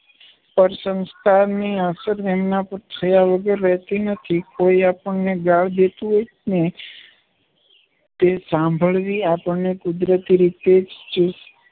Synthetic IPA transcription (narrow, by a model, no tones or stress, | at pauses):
pəɾsə̃nst̪ʰaniasəɾʋemnapəɾt̪ʰəjaʋəɡəɾːəɦt̪inət̪ʰikoiapəɳneɡaɭd̪et̪ũɦojt͡ʃne | t̪esãmbʱəɭʋiapəɳnekʊd̪ɾət̪iɾit̪ed͡ʒt͡ʃus